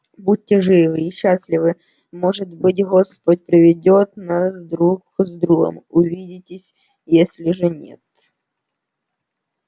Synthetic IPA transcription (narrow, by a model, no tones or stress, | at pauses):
but̚ʲːɪʐɨvɨiɕːasʲlʲɪvɨ | moʐɨt̪bɨt̬ʲɣospət̚ʲpɾʲɪvʲɪdʲo̞t̪nasd̪ɾukzd̪ɾuɣə̰mʊvʲidʲɪtʲɪsʲ | jesʲlʲɪʐɨnʲḛt̪